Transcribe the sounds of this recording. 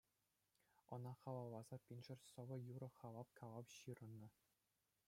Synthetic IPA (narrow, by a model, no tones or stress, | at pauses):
ɤ̆nɑχɑlˠɑwlˠɑzɑpʲinʲʐɘ̆rʲsɤ̆ʋɤ̆juɾɤ̆χɑlˠɑpkʰɑlˠɑwɕɯɾɤ̆nːɤ̆